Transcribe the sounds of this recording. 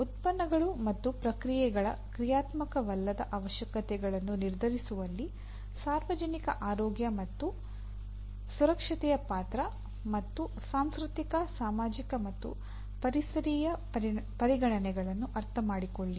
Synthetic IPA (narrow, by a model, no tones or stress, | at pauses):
ut̪̚pɐnːɐɡɐɭumɐt̪ːupɾɐkɾijɛɡɐɭɐ̰kɾijaːt̪mɐkɐʋɐlːɐd̪ɐ̰ʔɐʋɐʃjɐkɐt̪ɛɡɐɭɐnːuniɾd̪ʱɐɾisuʋɐlːi | saːɾʋɐd͡ʒɐnikɐʔaːɾɔːɡjɐmɐt̪ːu | suɾɐkʂɐt̪ɛjɐpaːt̪ɾɐ | mɐt̪ːu | saːmskɾut̪ikɐsaːmaːd͡ʒikɐmɐt̪ːṵ | pɐɾisɐɾiːjɐpɐɾiɡɐɳɐnɛɡɐɭɐnːuʔɐɾt̪ʰɐmaːɽikoɭːi